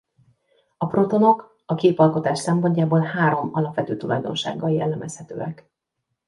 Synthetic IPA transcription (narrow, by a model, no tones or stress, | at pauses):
ɒpro̞t̪o̞no̞k | ɒkeːpɒlko̞t̪aːʃsɛmpo̞ɲcaːboːlhaːɾo̞mɒlɒpʋɛt̪øːt̪ulɒ̰jd̪o̞̰nʃa̰ːɡːɒljɛlːɛmʔɛshɛt̪ø̰ːɛk